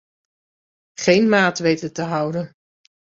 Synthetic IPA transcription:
χejnmaːtʋejtətəɦʌwdən

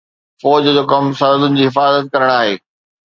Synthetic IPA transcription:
fɔːd͡ʑd͡ʑoːkɐmsɐnəd̪ʊnɪ̆d͡ʑiːɦɪfaːzət̪̚kɐɾəɽ̃aːɦḛː

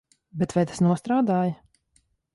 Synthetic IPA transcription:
bɛt̪vajt̪ḁsnuɔst̪ɾaːd̪aːjə

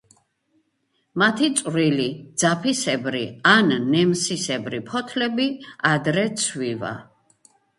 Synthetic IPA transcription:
mat̪ʰit̪sʼɾilid̪z̥apʰisɛbɾianːɛmsisɛbɾipʰɔt̪ʰlɛbiad̪ɾɛt̪sʰviva̰

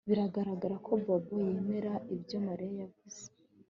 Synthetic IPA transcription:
βiɾaɡaɾaɡaɾakʰo̞bobojemeɾaʔibjo̞maɾijajaviz̥e̥

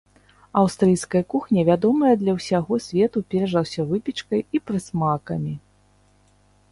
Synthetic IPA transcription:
ɐwst̪ɾɨjskɐjɐkuxnʲɐvʲad̪ɔmɐjɐd̪lʲɐwsʲaɣɔsʲvʲɛt̪upʲɛɾɐʐɐwsʲɐvɨpʲit͡ʂkɐjipɾɨsmakɐmʲi

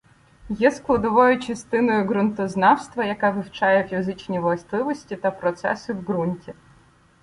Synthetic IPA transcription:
jɛsklˠɐd̪ɔʋɔjʊt͡ʃɐst̪ɪnɔjʊɡɾʊnt̪ɔznɑwst̪ʋɐjɐkaʋɪwt͡ʃɑjɛfʲizɪt͡ʃnʲiʋlˠɐst̪lˠɪʋɔsʲtʲit̪ɐpɾɔt̪sɛ̰sɪwɡɾunʲtʲi

